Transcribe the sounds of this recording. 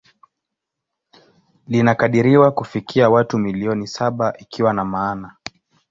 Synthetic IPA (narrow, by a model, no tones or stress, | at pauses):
linakaɗiɾiwakufikiawatumiliɔnisaɓaʔikʰiwanamaːna